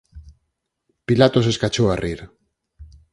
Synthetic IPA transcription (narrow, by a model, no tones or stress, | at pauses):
pilat̪ose̞skat͡ʃoariɾ